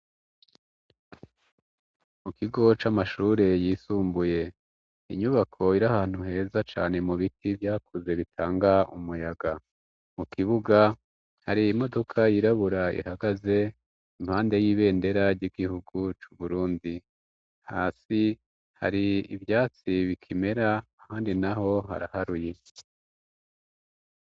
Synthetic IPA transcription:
mukiɡo̞t͡ʃamaʃuːɾe̞jiːsuːmbuje̞ | iɲuβakʰo̞iɾahaːn̥uɦe̞ːzat͡ʃaːne̞muβitʰivjaːkuze̞βitʰaːŋɡaṵmujaɡa | mukiβuɡa | haɾiːmo̞do̞kʰajiɾaβuɾaḭhaɡaze̞ | im̥haːnde̞jiːβe̞ːnde̞ɾaɾɟiɡihuɡut͡ʃuβuɾuːndi | haːsi | ha̰ɾiḭvjaːt͡siβikʰime̞ɾaː | haːndinaho̞ɦa̰ɾahaɾuje̞

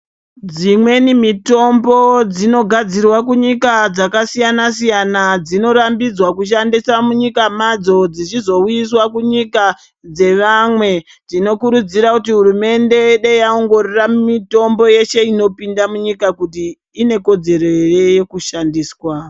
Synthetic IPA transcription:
d͡zimwe̞nimito̞mbo̞d͡zino̞ɡʱad͡zirwakuɲikad͡zakasijanasijanad͡zino̞ɾambid͡zwakuʃ̬andisamuɲikamad͡zo̞d͡zit͡ʃizo̞ujiswakuɲika | d͡ze̞ʋamwe̞ | d͡zino̞kuɾud͡ziɾakut̬iɦurume̞nde̞ɗejao̞ŋɡo̞roramito̞mbo̞je̞ʃe̞ino̞pindamuɲikakutiː | ne̞ko̞d͡ze̞ɾo̞jeje̞kuʃandiːswa

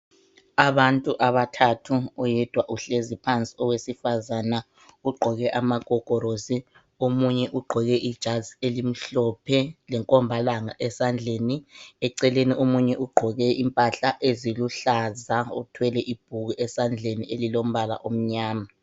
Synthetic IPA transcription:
aβantʼuʔaβatʰatʰuːjɛd̥ʱwaʔuɬezipʰant͡sʼi̥ɔwesifazana | uɡ͡ǃʱɔɣɛʔamaɡ̥ʱɔɡ̥ʱɔɾozi | omuɲɛʔuɡ͡ǃʱɔɣɛʔid̥ʒ̥ʱazielim̩ɬɔpʰɛlɛŋkʼɔmbʱalaŋaʔɛsand͡ɮʱeniɛǀɛleniʔomuɲɛʔuɡ͡ǃʱɔɣɛimpʼaɬaʔeziluɬazaṵtʰwɛlɛʔib̥ʱuɣuʔɛsand͡ɮʱenielilom̩βala̰ʔom̩ɲaːma

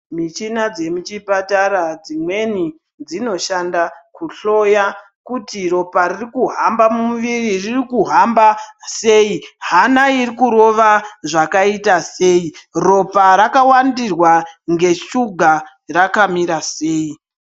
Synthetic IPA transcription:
mit͡ʃinad͡ze̞mut͡ʃipataɾad͡zimwe̞ni | d͡zino̞ʃandakuɬo̞ja | kutiro̞paririkuɦambamumuʋiriririkuɦambase̞iɦanairikuɾo̞ʋaʐakaitase̞iro̞paɾakawandirwaŋɡe̞ʃuɡʱa | rakamiɾase̞ːi

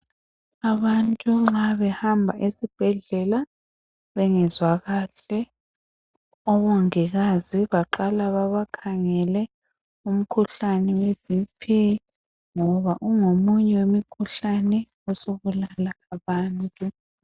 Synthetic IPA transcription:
aβantʼuŋ͡ǁaβɛhambʱaʔesib̥ʱɛɮɛla | βɛŋɛzwaɣaːɬɛ | ɔβɔŋiɣaziβaǃalaβaβakʰaŋɛlɛ | um̩kʰuɬanɛwev̥ipʰi | ŋɔβaʔuŋomuɲɛwemikʰuɬanɛ | ɔsoβulalaaβaːntʼu

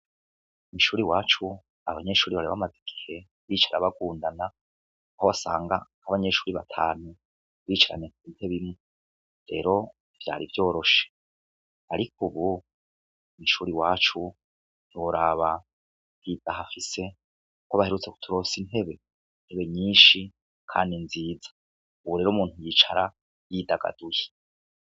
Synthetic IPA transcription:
umiʃuːɾiwaːt͡ʃu | aβaɲe̞ʃuːɾiβaɾeβamazeɡ̥ihe̞ | βiːt͡ʃaɾaβaɡuːndana | ahoβasa̰ːŋɡahaβaɲe̞ʃuːɾiβa̰tʰaːnu | βiːt͡ʃaɾa̰ɲekiːtʰeβimu | ɾe̞̰ːɾo̞ | v̥ja̰ːɾivjo̞ːɾo̞ʃe̥ | aɾikuβu | niʃuːɾiwaːt͡ʃu | n̥iwoɾaβa | βid̥ahafise̞ | koβahe̞ɾut͡se̞ku̥tʰuɾo̞ːsine̞βe̞ | in̥heβe̞ɲiːnʃi | kʰa̰ːndinziːd͡zḁ | uβuɾe̞ːɾuːmuːntujiːt͡ʃaɾa | jidaɡa̰d̥uje

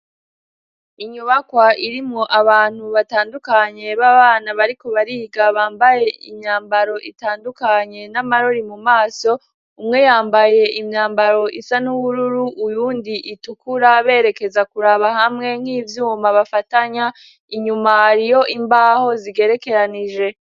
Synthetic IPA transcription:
iɲuβakwaʔiɾimŋo̞ʔaβaːn̥huβataːndukaɲe̞βaβaːnaβaɾiko̞βaɾiɡaβaːmbaje̞ʔḭmɲaːmbaɾo̞ʔitaːndukaɲe̞namaɾo̞ɾimumaːso̞ | umŋe̞jaːmbaje̞ʔimɲaːmbaɾo̞ʔisanuβuɾuɾuʔujuːndiʔitukuɾaβe̞ːɾe̞ke̞zakuɾaβaɦamŋe̞ŋ̥hiːvjuːmaβafataɲa | iɲumaɾijo̞ʔimbaho̞ziɡe̞ɾe̞ke̞ɾaniʒe̞

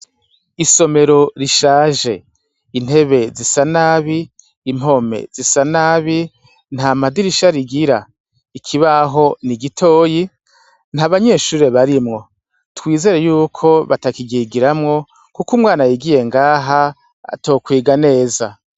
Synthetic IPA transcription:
iso̞me̞ɾo̞ɾiʃaːʒe̞ | in̥e̞βe̞zisanaːβiː | m̥o̞me̞̰z̥isanaːβi | n̥hamadiɾiʃaɾiɡiɾa | ikʰiβaɦo̞niɡitʰo̞ːji | n̥haβaɲe̞ːʃuːɾe̞βaɾimŋo̞ | twiːze̞ɾe̞juːkʰo̞βatakiɡiɡiɾamŋo̞ | kukumŋaːnajiɡije̞ŋɡaːɦa | a̰to̞ːkwiːɡane̞ːza

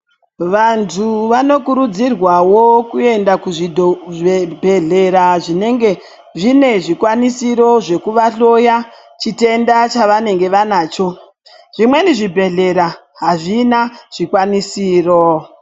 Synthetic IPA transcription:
ʋantʰuʋano̞kuɾud͡zirwawo̞kue̞ndakuʐidʱo | bʱe̞ɮe̞ɾaʐine̞ŋɡe̞ | ʐine̞ʐikwanisiɾo̞ʐe̞kuʋaɬo̞ja | t͡ʃite̞ndat͡ʃaʋane̞ŋɡe̞ʋanaːt͡ʃo̞ | ʐ̥imwe̞niʐibʱe̞ɮe̞ɾa | ɦaʐinaʐ̥ikwanisiːro̞

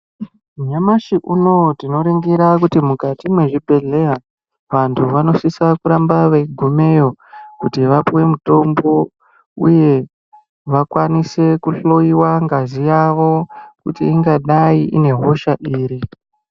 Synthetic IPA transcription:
ɲamaʃiʔuno̞tino̞ɾiŋɡiɾakutimukatimwe̞ʐibʱe̞ɮera | ʋantʰuʋano̞sisakuɾambaʋeɡʱume̞jokutiʋapuwe̞muto̞mbo̞ | ṵje̞ | ʋakwanise̞kuɬo̞iwaŋɡazijaʋo̞kutiːŋɡaɗaiʔḭne̞ɦo̞ʃaʔiːɾi

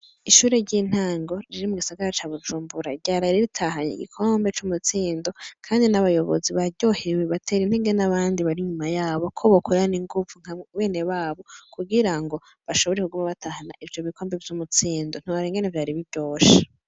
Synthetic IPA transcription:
iʃuːɾe̞ɾɟin̥haːŋɡo̞ɾiɾimuɡisaɡaɾat͡ʃaβud͡ʒuːmbuɾaɾɟaːɾaɾiɾitʰaɦaɲḭɡḭkʰo̞ːmbe̞t͡ʃumut͡siːndo̞kʰaːndinaβajo̞βo̰ziβaɟo̞heweβatʰe̞ɾinheŋɡe̞naβaːndiβaɾiɲumajaːβo̞kʰoβokʰuɾaniŋɡuvuŋ̥hawe̞ːne̞βaːβo̞kʰuɡiɾaŋɡo̞ | βaʃo̞βoɾekuɡumaβatahanaʔivjo̞βikʰo̞ːmbevjumut͡siːndon̥uaɾiŋɡenevjaːɾiβibjɟo̞ːʃe

